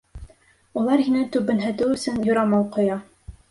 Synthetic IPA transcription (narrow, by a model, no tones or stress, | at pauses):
ulˠɑɾhinɘt̪ʉbɘ̆nɦæ̆t̪ɘɵ̆sɘnjŏɾɑmɑwqŏjɑ